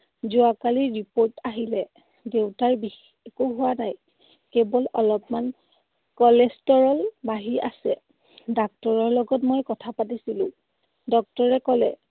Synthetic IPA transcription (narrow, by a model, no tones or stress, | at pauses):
zʊakaliɹipoɹtaɦilɛ | dewtaɹbix | koɦʊwanaj | kebɔlɔlɔpman | kɔlestɔɹɔlbaɦiʔa̰sɛ | dak̚tɔɹɔɹlɔɡɔtmɔjkɔtʰapatisilʊ̰̃ | dɔk̚tɔɹɛkɔlɛ̰